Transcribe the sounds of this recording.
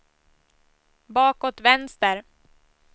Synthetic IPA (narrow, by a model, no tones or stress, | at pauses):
bɑːkot̪vɛnst̪əɾ